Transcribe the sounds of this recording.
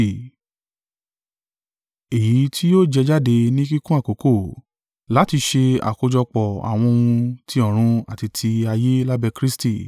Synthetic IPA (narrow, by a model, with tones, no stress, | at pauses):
e˨ji˨˦tʰi˦jo˦d͡ʒɛ˧d͡ʒa˦de˧nĩ˦ki˦kũ˦a˦˨ko˨˦ko˦˨ | la˨˦ti˧ʃe˧a̰˨ko˧d͡ʒɔ˧k͡pɔ˨a̰˨w̃ɔ̃˧wũ˧tʰi˧ɔ̃˦˨ɾ̃ũ˧a˨ti˧tʰi˧a˧je˦la˦bɛ˧kɾi˦sti˦˨